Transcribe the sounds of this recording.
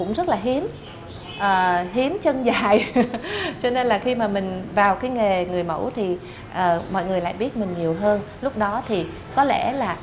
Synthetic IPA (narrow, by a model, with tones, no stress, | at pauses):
ʊ̰˧˥ŋ͡mzə˦˥t̚laː˨˩ɦi˨˦ən | ʔəː˨˩ɦi˨˦ənt͡ɕə˧ŋzaː˨˩j | t͡ɕɔ˧ne˧nlaː˨˩xi˧maː˨˩mï˨˩ŋ̟vaː˨˩wkaː˨˦jŋe˨˩ŋɨ˨˩əjmə̰˧˥wt̪ʰi˨˩ | ʔəː˨˩mɔ̰˧˨jŋɨ˨˩əjla̰ː˧˨jɓi˦˥ət̚mï˨˩ŋ̟ɲi˨˩əwɦəː˧n | lʊ˦˥k͡p̚ɗɔ˨˦t̪ʰi˨˩ | kɔ˨˦lɛ̰˧˩laː˨˩